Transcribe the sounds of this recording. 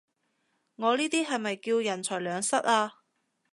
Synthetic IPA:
ŋɔː˨˧liː˥t̪iː˥ɦɐ˨jmɐ˨jkiː˧wjɐ˨˩nt͡ʃʰɔː˨˩jlœː˨˧ŋsɐ˥t̚aː˧

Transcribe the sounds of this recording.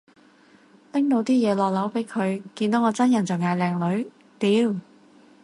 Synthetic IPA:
lɪ˥ŋt̪o˨˥wt̪iː˥jɛː˨˧lɔː˨˩k̚lɐ˨˥wpe˨˥jkʰɵ˨˧ɥkiː˧nt̪o˨˥ŋɔː˨˧t͡sɐ˥njɐ˨˩nt͡sɔ˨ŋaː˨˧jlɛː˨˧ŋlɵ˨˥ɥ | t̪iː˨˧˥w

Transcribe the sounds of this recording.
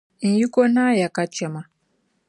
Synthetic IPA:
n̩˨ji˦kɔ˦na˦ja˨ka˦t͡ʃɛ˦ma˨

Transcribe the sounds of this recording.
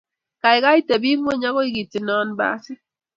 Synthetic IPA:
ka˨i˨ɣa˦i˦te˨bi˦ŋʷ˦o˦ɲa˦ɣo˦i˦ɡi˨ti˨nɔ˦nba̰˦si˦

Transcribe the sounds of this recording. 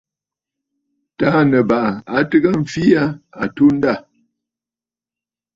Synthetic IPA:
taː˨˦nə˨ba˨ʔa˨a˨tɨ˦ɣa˦m̩˨fi˦a˦a˨tu˦n̩˦da˦˨

